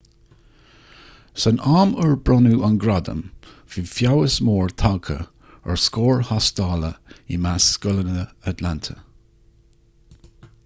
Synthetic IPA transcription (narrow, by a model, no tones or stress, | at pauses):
sənaːməɹbɹɔnuʔanɡɾad̪ə̰m | v̥ifjawəsmoːɹt̪ʰakʰə̰ | ə̰ɹskoːɹhast̪ɑːləimasːkʊlənəət̪lant̪ʰə